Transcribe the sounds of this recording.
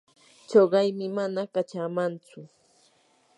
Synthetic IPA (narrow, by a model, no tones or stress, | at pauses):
t͡ʃoɢɑjmɪmanakat͡ʃaːmant͡sʊ